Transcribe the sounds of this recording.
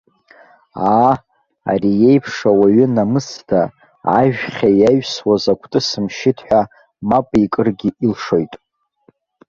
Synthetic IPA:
aː | a̰rije̞jpʰʂawaɥʏnamɨsda | aʒᶣχʲajajɥswazakʷʰtʼɨsɨmʃɪtʰħʷᶣa | mapʼikʼɨrɡʲiilʂo̞jtʼ

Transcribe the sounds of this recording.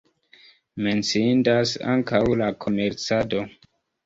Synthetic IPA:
me̞nt͡siindasa̰ŋkawlakʰo̞me̞ɾt͡sado̞

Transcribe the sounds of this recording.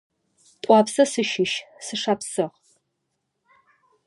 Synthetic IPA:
tʼʷɑːpsɐsɨʃɪʃsɨʂaːpsɨʁ

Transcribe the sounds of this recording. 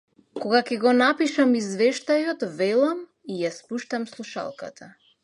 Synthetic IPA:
kɔɡakʲɛɡɔnapiʃamizvɛʃt̪ajɔt̪vɛlˠam | ijaspuʃt̪amslˠuʃa̰lˠka̰t̪ʰa

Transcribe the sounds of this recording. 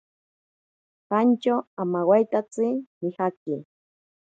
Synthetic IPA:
ɢant͡ʃaamawajt̪at͡sɪmɪhaki

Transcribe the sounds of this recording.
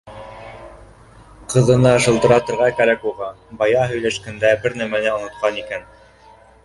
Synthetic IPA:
qʰɤ̆ðɤ̆nɑɤ̆ʃɤ̆lˠt̪ɤ̆ɾɑt̪ɤ̆ɾʁɑkæɾækuʁɑ | bɑjɑɦɵ̆jlæʃkænd̪æbɘɾnæmænɘŏnŏt̪qɑnikæn

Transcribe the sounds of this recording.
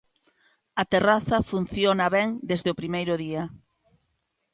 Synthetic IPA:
ɐt̪eraθɐfun̟θjonɐβɛŋd̪ezðeopɾimejɾʊðiɐ

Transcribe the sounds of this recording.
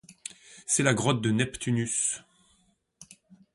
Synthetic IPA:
sɛlaɡʁɔt̪̚d̪ənɛpt̪ʰynys

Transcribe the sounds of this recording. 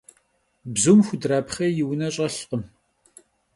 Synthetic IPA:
bzumxʷʊdraːpχɐjɪwnɐɕʼɐɬqəm

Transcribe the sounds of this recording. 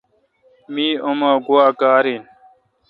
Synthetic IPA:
miːomaːɡuwaːkaːɾiːn

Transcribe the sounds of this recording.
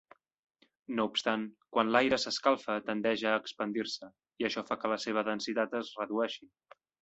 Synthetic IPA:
noupst̪aŋkwanlajɾəsəskalˠfət̪ənd̪ɛʒəːkspənd̪iɾsə | iəʃɔfakələseβ̞əðənsit̪at̪əzrəðuɛʃi

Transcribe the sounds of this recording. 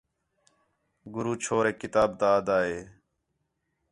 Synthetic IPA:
ɡʊɾuːt͡ʃʰoːɾeːkɪt̪aːbt̪aːd̪aːɦeː

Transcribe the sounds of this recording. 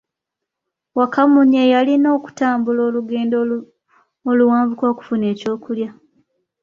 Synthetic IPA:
wakamuɲejalino̞ːku̥taːmbulo̞ːluɡeːndo | oluwaːɱvukoːku̥fune̞ːco̞ːkulja

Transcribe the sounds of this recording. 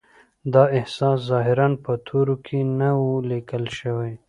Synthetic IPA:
d̪ɑɪhsɑszɑɦɪɾanpət̪ʰoɾokʰenawulikəlʃəwaj

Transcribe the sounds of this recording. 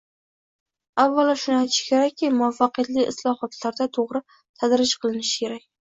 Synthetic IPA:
avːalaʃʊnajt̪ʰɪ̥ʃɪ̥kʲʰe̞ɾakʲːimʊafːaqɨjat̪lɪʔɪslˠɒhɒt̪laɾd̪at̪ʰoʁɾɪ | t̪ʰad̪ɾɪt͡ʃqʰɨlˠɪnɪʃɪ̥kʲe̞ɾakʲ

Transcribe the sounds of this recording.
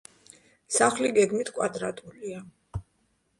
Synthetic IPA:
saχliɡɛɡmit̪ʰkʼwad̪ɾat̪ʼulia

